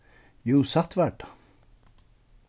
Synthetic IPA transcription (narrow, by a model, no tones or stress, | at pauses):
juːsɑt̪ʋæɖ